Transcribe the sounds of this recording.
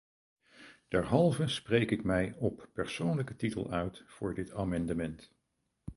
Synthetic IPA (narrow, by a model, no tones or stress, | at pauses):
d̥ɛɹɦɑlˠvəsprejkɪkmɛjɔpːɛɹsownləkətitə̰lˠœɥtfʊːɹdɪtaːmɑndəmɛnt